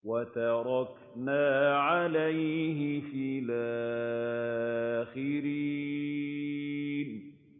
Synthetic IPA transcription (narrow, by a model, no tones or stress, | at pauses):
wat̪ɑɾˤɑk | naːʕalajɦɪfiːlaː | xɪɾiː | n